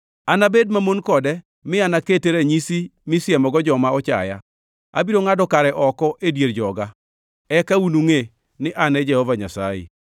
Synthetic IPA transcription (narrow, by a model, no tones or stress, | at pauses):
anabed̚mamonkɔdɛ | mɪanaketeɾeɲisimisjemɔɡɔd͡ʒɔmaɔt͡ʃa̰ja̰ | a̰biɾoŋadɔkaɾɛʔɔkɔʔedjeɾd͡ʒɔɡa | ɛkaunuŋe | nɪʔanɛd͡ʒɛhɔvaɲa̰sa̰jḛ